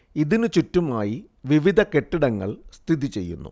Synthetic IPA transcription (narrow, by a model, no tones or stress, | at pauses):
iðinɨt͡ɕutːumaːji | ʋiʋid̪ʱɐke̞ʈːiɽɐŋːɐ̰ɭst̪ʰiðit͡ɕe̞̰jːṵnːṵ